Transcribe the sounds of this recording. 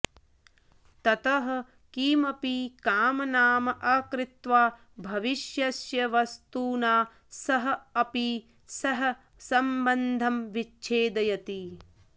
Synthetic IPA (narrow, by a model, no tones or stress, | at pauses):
t̪ɐt̪ɐɦɐ̆ | kiːmɐpikaːmɐnaːmɐʔɐːkɾɪt̪ʋaː | bʱɐʋiʃjɐsjɐʋɐst̪uːnaː | sɐɦɐ̆ɐpi | sɐɦɐ̆ | sɐmbɐnd̪ʱɐmʋit͡ʃːt͡ʃʰeːd̪ɐjɐt̪i